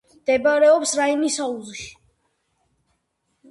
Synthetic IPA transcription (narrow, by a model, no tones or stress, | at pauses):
md̪̥ɛbaɾɛɔpsɾainisauziʃi̥